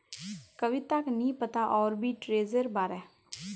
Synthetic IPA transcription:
kəʋit̪aknĩːpət̪aːʔɔːɾbʱiːʈɾeːzəɾbaːɾɛː

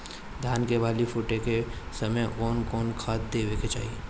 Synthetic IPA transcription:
d̪ʱaːnkebʱaːlifʊʈekesɐməjʔkɔːnkɔːnkʰaːt̪̚d̪eːweket͡ʃa̰ːɦie

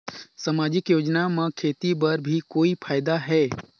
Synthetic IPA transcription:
sɐmaːd͡ʒɪkjoːd͡ʒnamẽkʰeːt̪ibɐɾbʱikoːipʰaːjɪd̪aɦɛː

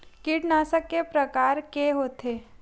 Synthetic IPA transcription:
kɪʈnaːsəkːepɾəkaːɾkeɦoːt̪eː

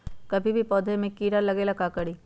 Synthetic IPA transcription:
kɐbʱibʱipɔːd̪ʱemẽkiːɾalɐɡeːlakaːkɐɽiː

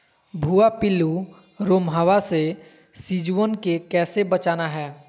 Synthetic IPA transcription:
bʱuːapɪlːu | ɾoːmɦəʋase | sid͡ʒuənkekɛːsebət͡ʃaːnaɦɛː

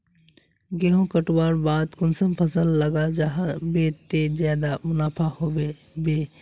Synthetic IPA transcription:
ɡeɦõkəʈwaːɾbaːd̪kʊnsəmpʰəsəlːəɡad͡ʒaːɦabeːt̪ːed͡ʒjaːd̪amʊnaːpʰahobe | beː

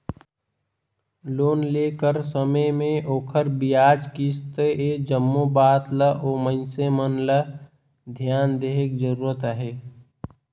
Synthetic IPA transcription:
loːnleːkəɾsəməjmẽʔoːkʰəɾbijaːd͡ʒkist̪əeːd͡ʒəmːobaːt̪ləʔoːmə̃nsemənlə | d̪ʱjaːnd̪eːɦekd͡ʒəɾuːɾət̪aɦeː

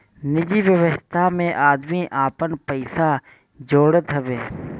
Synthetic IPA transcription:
nɪd͡ʒiʋjəʋəst̪ʰamẽʔaːd̪miʔaːpənpəɪsa | d͡ʒoːɽət̪ɦəʋeː

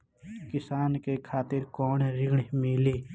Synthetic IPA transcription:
kɪsaːnkekʰaːt̪ɪɾkɔːneɾɪɡɳmiliː

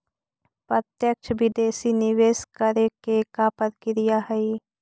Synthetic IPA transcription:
pɾət̪jəkʃʰʋɪd̪eːsinɪʋeːskəɾekekapəɾkɪɾijaɦɛi

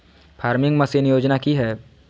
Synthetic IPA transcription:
pʰaːɾmɪ̃ŋɡmɐ̃senɪjoːd͡ʒnakiɦɛː

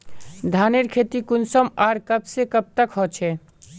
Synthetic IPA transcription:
d̪ʱaneɾkʰet̪ikunsəmaɾkəbsekəb̚t̪əkɦɔt͡ʃʰɛ

